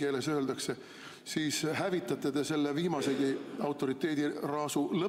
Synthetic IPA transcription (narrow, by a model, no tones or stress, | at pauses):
ke̞ːle̞sø̞ːld̪̥ɑkse̞ | siːshævit̪ːˑɑt̪ːˑed̪e̞se̞lːeviːmɑse̞ɡ̥iɑwt̪ːˑo̞ɾit̪ːˑe̞ːd̪̥irɑːsulɤ